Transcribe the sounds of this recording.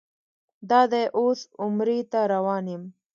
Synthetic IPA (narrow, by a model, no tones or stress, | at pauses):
d̪ɑd̪eʔosʊmɾet̪aɾawɑnem